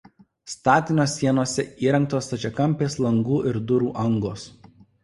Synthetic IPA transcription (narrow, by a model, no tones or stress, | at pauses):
st̪ɑːt̪ʲɪnʲoːsʲːiɛnoːsʲɛiːɾʲɐ̃ŋˑk̚t̪oːst̪ɐt͡ʃʲɛkɐmʲˑpʲeːslˠɐŋɡuːʔɪɾd̪ʊɾuːʔɐŋɡoːs